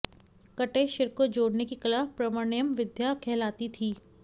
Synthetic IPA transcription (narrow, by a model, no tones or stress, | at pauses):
kɐʈeʃɪɾkod͡ʒoːɽnekikɐlaːpɾɐməɳɪjəmʋɪd̪jakʰɛːlaːt̪it̪ʰiː